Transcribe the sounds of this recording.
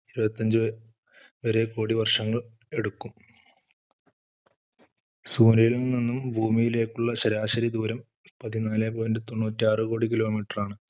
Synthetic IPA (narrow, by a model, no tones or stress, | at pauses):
iɾubɐt̪ʲːɐɲd͡ʑu | ʋɐɾekoːɽiʋɐrʂɐŋːɐɭ | e̞ɽukːum | suːnɐjilninːumbʱuːmijile̞ːkːuɭːɐɕɐɾaːɕɐɾid̪uːɾɐm | pɐðinaːleːpoːjndɨt̪oɳːuːtːiaːrɨko̞ːɽik̬ilo̞ːmiːʈːɐraːɳɨ